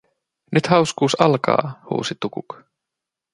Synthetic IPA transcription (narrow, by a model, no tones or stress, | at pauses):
nyt̪hɑwskuːsɑlkɑ̰ːhṵːsit̪ukuk